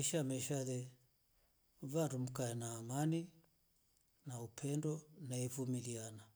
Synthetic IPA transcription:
iʃamɛʃaðɛ | vanɾum̩kaɛnaːmani | naupʰɛndɔnaivumiliana

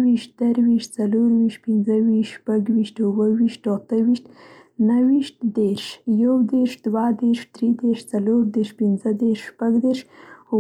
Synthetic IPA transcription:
wiʃt̪̚d̪əɾwiʃt̪t͡saloɾwiʃt̪̚pɪnzəwiʃpaɡwiʃt̪ʊwəwiʃt̪ot̪əwiʃt̪ | nawiʃt̪̚d̪eɾʃjawd̪eɾʃd̪wad̪eɾʃd̪̥ɾid̪eɾʃt͡saloɾd̪eɾʃpɪnzəd̪eɾʃːpaɡd̪eɾʃ

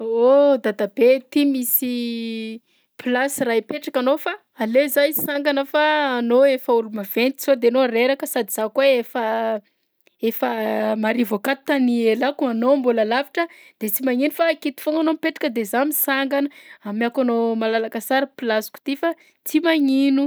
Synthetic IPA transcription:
od̪ad̪abet̪imisi | pilasirajipeʈ͡ʂakanofaːlezajsaŋɡanəfaːnoefauɾumav̥ensod̪eanoɾeɾakəsad̪iz̥akweefə | efəmaɾivokat̪anielakanombulalaviʈ͡ʂəd̪̥et͡simaŋinufakit̪i̥foŋanomipeʈ͡ʂḁkəd̪ezamisaŋɡanəamiakanomalalakasaɾiplasu̥ku̥t̪ifa | t͡simaŋinu

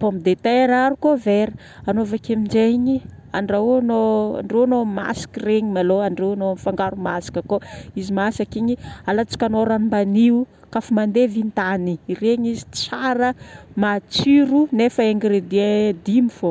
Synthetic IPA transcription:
pomid̪et̪eɾaɾukoveɾi | anovakemind͡ʒeɲi | a̰ɳɖ͡ʐenoa̰ɳɖ͡ʐewanoma̰si̥kireɲimaloaɳɖ͡ʐewanoamifaŋɡaɾumasi̥kəkoizimasakiɲialat͡si̥kanoɾanimbaniu | kafumand̪evint̪anireɲizit͡saɾəmat͡siɾunefəeŋɡɾed̪ied̪imifo

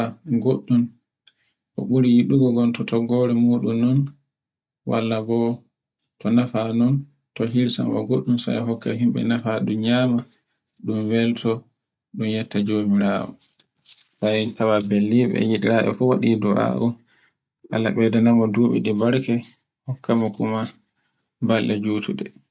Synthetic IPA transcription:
aɡoɗːun | ʔɔɓuɾijiɗuɡɔɡɔntɔtʰɔɡːɔɾɛmuːɗumːɔn | wa̰lːabɔ | tɔnafanɔn | tɔɦiɾsa̰nwa̰ɡoɗːunsa̰jɦɔkːɛ̰ɦimɓɛ̰nafaɗumɲaːma | ɗumwɛltʰɔ | ɗumjɛtːad͡ʒomiɾaːwɔ̰ | sajtawabɛlːiɓɛ̰jiɗiɾaːɓɛ̰fɔwaɗiduʔa̰ʔu | ʔa̰lːaɓɛdɛnamɔduːɓḭɗibaɾkɛ | hɔkːamɔkuma | balʔɛd͡ʒuːtuɗɛ

